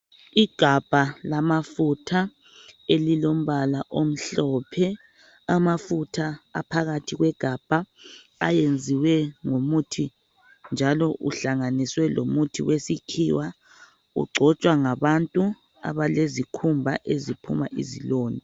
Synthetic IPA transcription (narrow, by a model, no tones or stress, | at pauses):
iɡ̥ʱab̥ʱalamafutʰa | elilom̩βalaʔom̩ɬɔːpʰɛ | amafutʰaa̰pʰaɣatʰiɣwɛɡ̥ʱab̥ʱa | a̰jend͡zʱiwɛŋomutʰi | nd͡ʒʱalɔʔṵɬaŋaniswɛlomutʰiwesikʰḭːwa | ṵɡ͡ǀʱɔt͡ʃʼwaŋaβantʼu | a̰βalezikʰumbʱaʔezipʰṵma̰ʔḭziloːni